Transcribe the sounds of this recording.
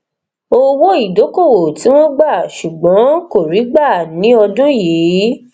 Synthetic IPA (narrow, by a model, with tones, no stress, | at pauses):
o˦wo˦i˦˨do˨˦ko˦˨wo˨ti˨˦w̃ɔ̃˦ɡ͡ba˦˨ʃu˨ɡ͡bɔ̃˨˦ko˦˨ɾi˨˦ɡ͡ba˦˨nĩ˨˦ɔ˧dõ˦ji˨˦